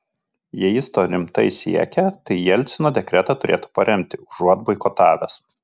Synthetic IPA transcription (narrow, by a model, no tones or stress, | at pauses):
jɛjɪst̪oːɾʲɪmt̪ɐɪsʲḭɛkʲɛt̪ɐɪjɛlʲt̪sʲɪnoːd̪ʲɛkɾʲɛt̪ɑˑt̪ʊɾʲeːt̪u̥pɐɾʲɛmʲt̪ʲɪʊʒuɔd̪̚bɐɪkɔːt̪ɑːʋʲɛ̰s